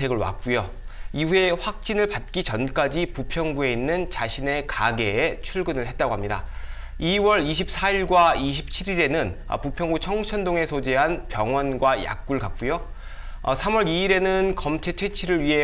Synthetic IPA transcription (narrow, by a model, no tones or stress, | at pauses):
eɡɯɭwa̰k̚k͈ujo | iue̞ɸwak̚t͡ɕ͈inɯɭpat̚k͈it͡ɕʌnk͈ad͡ʑipupʰjʌŋɡue̞inːɯnt͡ɕaɕʰine̞kaɡe̞ːt͡ɕʰuɭɡɯnɯɭɦet̚t͈aɡoɦamɲida̰ | iwʌɾiɕ̬ʰip̚s͈ʰaiɭɡwaiɕ̬ʰi̥p̚t͡ɕʰiɾiɾe̞nɯn | ʌ̰pupʰjʌŋɡut͡ɕʰʌŋt͡ɕʰʌndoŋe̞sʰod͡ʑeɦanpjʌŋwʌnɡwaja̰k̚k͈uɭkak̚k͈ujo | ʌ̰sʰamwʌɾiːɾe̞nɯnkʌmt͡ɕʰe̞t͡ɕʰwe̞t͡ɕʰiɾɯɭɥiɦe̞